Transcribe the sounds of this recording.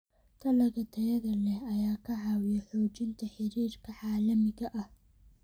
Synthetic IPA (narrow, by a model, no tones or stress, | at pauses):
t̪ʰɐlɐɣɐt̪ʰɐjɐðɐlɛɐjaːkʰɐʕɑːwɪjɐħɔːt͡ʃɪnt̪ʰɐħɪɾiːrkʰɐʕaːlɐmɪɣɐʔɐh